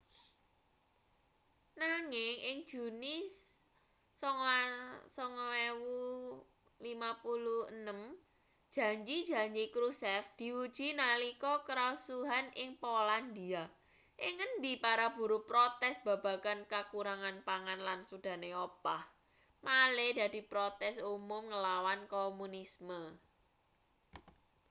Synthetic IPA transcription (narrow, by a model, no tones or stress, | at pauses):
naŋɪŋʔɪŋd̥ʒ̥ṳnɪs | ɔŋsɔŋwewu | limapuluhənəm | d̥ʒ̥ä̤ɲd͡ʒid̥ʒ̥a̤ɲd͡ʒikɾusɛfd̪̥i̤ud̥ʒ̥i̤nalikɔkəɾasuɦanʔɪŋpoland̪ia | ʔɪŋəndipaɾab̥ṳɾupɾot̪ɛsb̥a̤b̥a̤kankakuɾaŋanpaŋanlansud̥a̤neopah | maleda̤d̪̥i̤pɾot̪ɛsumʊmŋəlawankomunismə